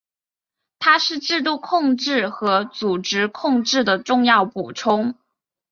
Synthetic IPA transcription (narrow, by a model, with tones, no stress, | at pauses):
t̪ʰa˥ʂɻ̩˥˧ʈ͡ʂɻ̩˥˧t̪̬u˥˧kʰʊ˥˧ŋʈ͡ʂɻ̩˥˩xɤ˧˥t͡su˨˩ʈ͡ʂɻ̩˧˥kʰʊ˥˧ŋʈ͡ʂɻ̩˥˩d̪ə˩ʈ͡ʂʊ˥˧ŋjɑ˥˩ʊpu˨˩ʈ͡ʂʰʊ˥ŋ